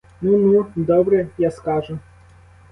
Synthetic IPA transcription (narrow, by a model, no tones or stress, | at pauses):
nunud̪ɔbɾɛjaskɑʒʊ